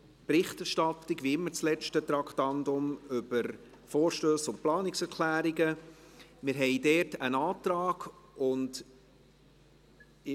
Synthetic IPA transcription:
pɾɪχtɛɾʃtɑtːɪɡʋiɪmːəɾt͡slɛt͡ʃtət̪ɾɑkʰtɑndʊmʏb̥əɾ | foːɾʃtøːsʊnt̚plɑːnɪksɛɾkʰlæːɾiɡə | mɪɾɦɛjdɛːɾtənɑːt̪ɾɑːɡ̥ʔʊnd | ɪ

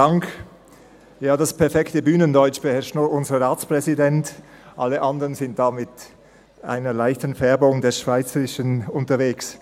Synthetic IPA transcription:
aŋk | jaːdaspʰɛɐfɛktəbyːnəndɔʏt͡ʃb̥əhɛɐʃtnuːnʔʊnzəʁaːt͡spʁ̥ɛzidɛnt | ʔaləʔandəʁənzɪnt̚d̥aːmɪt | ʔa̰ɪnɐlaɪçtən̩fɛɐbʊŋdɛsʃv̥aɪt͡səʁɪʃənʊntɐveːks

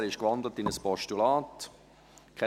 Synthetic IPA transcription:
ɾɪʃkʋɑndlətɪnəspɔʃtulaːt | kʰɛ

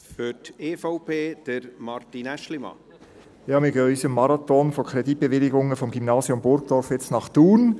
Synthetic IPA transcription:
fʏɾteːfɔʊpeːd̥əɾmɑɾtinæʃlimɑ̰ | jɑːmɪɡøːysəmːɑɾɑtɔnfokʰɾɛdit̚b̥eʋɪlɪɡʊŋəfɔmɡ̥imnɑːsjʊmbʊɾɡ̚d̥ɔɾfjɛt͡stnɑχtuːn

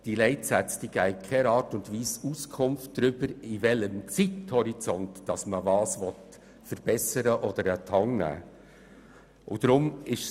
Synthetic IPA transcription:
d̥ilɛɪtsæt͡sd̥iɡ̥ɛɪkʰɛɾɑːɾtʊntʋiːsuskʰʊmft̚d̥ɾʏbəɾivɛləmt͡sithɔɾit͡sɔntd̥ɑsməʋɑːsʋɔt | fəɾb̥ɛsəɾəʔɔd̥̪əɾətʰɑŋːæ̰ | ʊd̪̥ɾʊmɪʃ

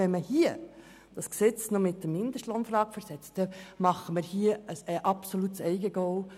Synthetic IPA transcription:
ɛnməhiə | d̥ɑsksɛt͡snomɪt̚d̥əmɪnd̪əʃtloːnfɾɑːkfəɾsɛt͡st̪əmɑχːəməɾhiəəsɛʔɑpsolutsɛɪɡəɡoʊ

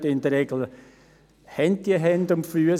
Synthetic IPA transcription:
dɪnd̥əɾeɡ̥l̩ | hɛn̚d̥iəɦɛndʊmfyə

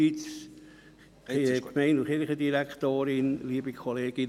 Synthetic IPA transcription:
it͡s | iəkmɛɪnʊχɪlχədiɾæktoːɾɪnliəbikʰɔleːɡ̥i

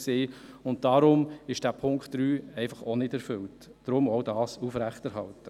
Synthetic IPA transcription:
seːʊnt̚d̥ɑɾʊmɪʃd̥æpʰʊŋkχtːɾyːɛɪfɑχɔnɪdɛɾfʏltd̥ɾʊmɔʊdɑːsufɾæχtɛɾɦɑltə

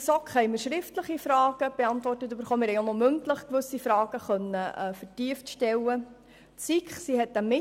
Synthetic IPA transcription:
sɔkχɛɪməɾʃɾɪftləχifɾɑːɡ̥əb̥eɑntʋɔrtətybəɾχoːmɪɾhɛɪonɔmɵntləχkʋɵsifɾɑːɡ̥əχœnːəʔɛfərtiːəftʃtɛlːə | t͡sikχsihɛt̪æmɪ

